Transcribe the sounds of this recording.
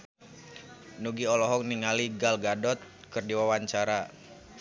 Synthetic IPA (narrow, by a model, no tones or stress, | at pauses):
nuɡiɔlɔɦɔk̚niŋaliɡalɡadɔt̪̚ | kɨrdiwawaɲt͡ʃaɾa